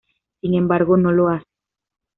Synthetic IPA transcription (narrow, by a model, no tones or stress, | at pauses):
iŋembaɾɣonoloas